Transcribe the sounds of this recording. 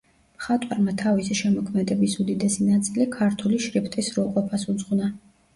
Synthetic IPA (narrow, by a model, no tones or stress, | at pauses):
mχat̪ʼwaɾmat̪ʰavisiʃɛmɔkʰmɛd̪ɛbisud̪id̪ɛsinat̪sʼilikʰaɾt̪ʰuliʃɾipʰt̪ʼisɾulˠqʼɔpʰasud̪zʁuna